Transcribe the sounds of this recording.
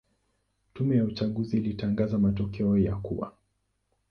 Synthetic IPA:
tumɛjaut͡ʃaɠuziːlitaŋɡazamatɔkʰɛɔjakṵwa̰

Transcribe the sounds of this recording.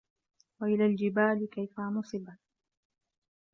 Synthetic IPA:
waʔɪlaːld͡ʒɪbaːlɪkajfamʊsˤɨban

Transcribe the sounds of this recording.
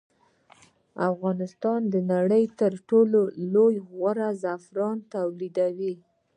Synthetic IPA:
afɣɑnɪst̪ɑnd̪ənaɽəjt̪əɾʈololojɣwaɾazafɾɑnt̪awlid̪awi

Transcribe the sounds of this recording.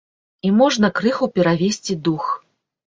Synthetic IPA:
imɔʐnɐkɾɨxupʲɛɾavʲesʲt͡sʲid̪ux

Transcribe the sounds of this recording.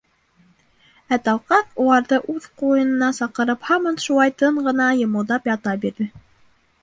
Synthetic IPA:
æt̪ɑlˠqɑθulˠɑɾðɤʔʉðqujɤ̆nɤ̆nɑsɑqɤ̆ɾɤphɑmɤnʃulˠɑjt̪ɤɴɢɤ̆nɑjɤ̆mɤ̆wðɑpjɑt̪ɑbiɾðɘ

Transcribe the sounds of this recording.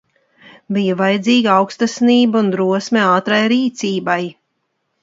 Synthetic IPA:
bijavajd̪ziːɡaawkst̪asniːbɐund̪ɾuɔsmʲɛaːt̪ɾajɾiːt̪siːbaj

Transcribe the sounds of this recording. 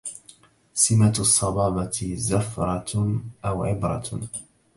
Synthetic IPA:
sɪmat̪sˤːɑbɑːbɑt̪zafɾˤɑʔawʕɪbɾˤɑ̰

